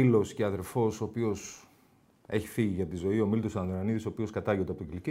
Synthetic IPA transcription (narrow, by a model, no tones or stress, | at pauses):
ilo̞sceɐðe̞ɾfo̞so̞ːpio̞s | e̞çi̥fiʝiʝɐt̪izo̞io̞milt̪osɐnðonɐniðisopio̞skɐt̪ɐʝoneɐpot̪cilici